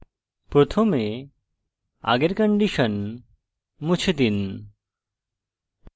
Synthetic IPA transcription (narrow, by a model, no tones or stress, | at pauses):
pɾot̪ʰome | a̰ɡeɾkəɳɖiʃən | mut͡ɕʰet̪in